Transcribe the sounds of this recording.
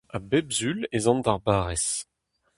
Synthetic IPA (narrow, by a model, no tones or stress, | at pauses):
abɛbzylezɑ̃nd̪aʁbaːʁɛs